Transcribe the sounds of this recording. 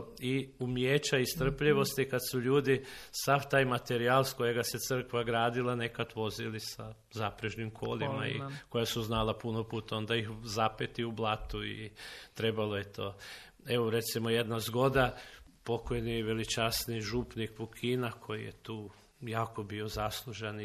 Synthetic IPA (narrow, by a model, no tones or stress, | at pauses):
iumjeːt͡ʃaist̪r̩pʎiʋo̞st̪ikad̪suʎuːd̪isaft̪aːjmat̪e̞ɾialˠsko̞jeɡaset̪sər̩kʋaɡɾaːd̪ilˠane̞kat̪ʋo̞zilisa | zapɾeʒnimkʰo̞̰ːlˠimaḭko̞jasuznalapunopuːt̪aond̪aixzapet̪iublˠat̪uḭt̪ɾe̞balo̞jet̪o̞ː | e̞ʋoɾe̞t̪simoje̞d̪nazɡo̞d̪apo̞kojniʋelit͡ʃasniʒupnikpukʰinakʰo̞jijḛt̪uː | jaːko̞bio̞zaslˠuʒen